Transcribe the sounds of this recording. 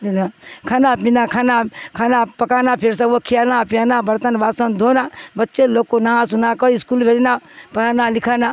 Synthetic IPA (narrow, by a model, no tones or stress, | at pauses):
milakʰaːnapinakʰaːnakʰaːnapɐkaːnapʰeɾs̬əkokʰijanapijanabəɾt̪ənbaːsənd̪ʱonabətːt͡ʃeloːkonɐɦãsunakəiskulbʱed͡ʒnapɐɾanalikʰana